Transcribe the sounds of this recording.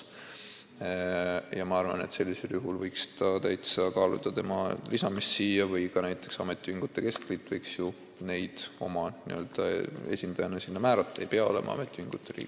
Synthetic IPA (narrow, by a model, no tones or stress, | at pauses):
jɑmɑɑrvɑ̰ne̞̰t̪se̞lʲːise̞ljuɦulvɤjkst̪ɑt̪æjt̪sɑkɑːlṵd̪̥ɑt̪e̞mɑlisɑmist̪siːjːɑvɤjkɑnæjt̪ːˑe̞ksɑ̰me̞t̪ːˑiviŋɡ̥ut̪ːˑe̞ke̞sklit̪ːˑvɤjksju | ne̞jd̪̥o̞mɑnḭø̞ːld̪̥ɑe̞̰sʲind̪ɑjɑnɑsinːɑmæːɾɑt̪ːˑɑejpe̞ɑo̞le̞̰mɑ̰ɑ̰met̪ːˑiviŋɡ̥ut̪ːˑeɾḭːɡ̥